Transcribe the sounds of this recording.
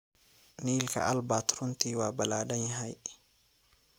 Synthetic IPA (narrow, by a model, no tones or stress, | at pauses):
nilka̰ʔalbat̪ɾunt̪iwabaladaɲɦaj